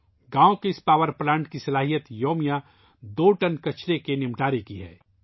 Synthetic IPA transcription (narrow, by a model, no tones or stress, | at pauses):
ɡãːõkeɪspaːʋəɾplãːɳʈkisɐlaːɦijət̪joːmija | d̪oːʈɐnkɐt͡ʃʰɾekenɪmʈaːɾekiɦɛ̰ː